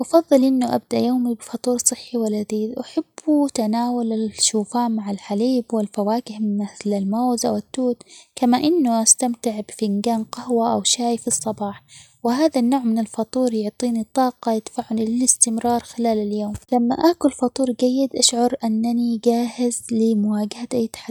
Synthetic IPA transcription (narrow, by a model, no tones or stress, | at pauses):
ʔɑfɑðˤːɨlʔɪnːʊʔa̰b̚d̪aʔjoːmibɪfɑt̪ˤuːɾsˤɨħːiwalad̪iːðʔaħab̥ːut̪anaːwalɪʃuːfaːʔmaʕalħaliːbwɪlfawaːkɪhmɪθlalmoːzʔa̰wɪt̪ːuːt̪kamaʔɪnːʊʔast̪amt̪ɪʕbɪfɪnɡaːnqɑhwaʔawʃaːjfisˤːɑbɑːħ | wɪɦaːðanːoːʕmɪnɪlfɑt̪ˤuːɾjʊʕt̪ˤiːnit̪ˤːɑːqɑjɪt̪ḁfaʕːʊnilɪlɪst̪ɪmɾɑːɾˤxɪlaːlaljoːmlamːa̰ʔaʔkʊlfɑt̪ˤuːɾɡajːɪd̪ʔaʃʕʊɾˤʔanːaniɡaːhɪzlɪmʊaːɡahat̪ʔajːt̪ḁħa